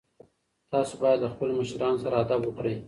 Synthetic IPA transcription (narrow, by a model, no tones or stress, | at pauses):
t̪ɑsobɑjad̪ləxpəloməʃɾɑnosaɾaad̪abwəkɽəj